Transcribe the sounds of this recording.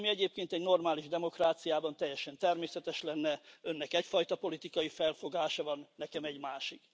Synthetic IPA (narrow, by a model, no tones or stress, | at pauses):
miɛɟeːp̚keːnt̪ɛɟno̞rmaːliʒd̪ɛmo̞kraːt̪sijaːbɒnt̪ɛjːɛʃɛnt̪ɛrmeːsɛt̪ɛʃlɛnːɛø̞nːɛkɛcfɒjt̪ɒpo̞lit̪ikɒjifɛlfo̞ɡaːʃɒvɒnːɛkɛmɛɟmaːʃik